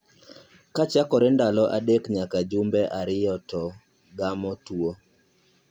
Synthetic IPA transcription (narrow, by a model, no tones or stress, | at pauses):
kat͡ʃakɔɾɛndalɔʔadekɲakad͡ʒumbɛʔaɾɪjɔtɔ | ɡamɔtuo